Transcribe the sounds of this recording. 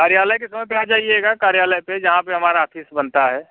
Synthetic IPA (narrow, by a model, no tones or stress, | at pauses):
kaːɾjaːləjkesɐməpad͡ʒaːieɡakaːɾjaːləjped͡ʒɐɦãpeɦɐmaːɾaːfʰɪsbɐnt̪aɦɛː